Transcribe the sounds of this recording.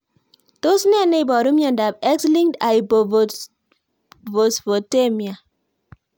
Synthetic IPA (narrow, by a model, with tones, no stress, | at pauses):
to˦sne˦˨ne˦i˨bɔ˨ɾu˦mjɔ˨nda˨bɛ˦ksli˦ŋda˨i˨bo˨vo˨ | vo˨svo˨te˦mi˨a˨